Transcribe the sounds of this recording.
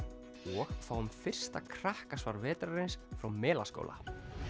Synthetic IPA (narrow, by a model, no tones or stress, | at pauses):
ɔɣθaːwʏmfɪr̥st̪akʰɾ̥ahkasvaɾvɛːt̪ɾaɾɪnsfɾawmɛːla̰sko̰ːwla̰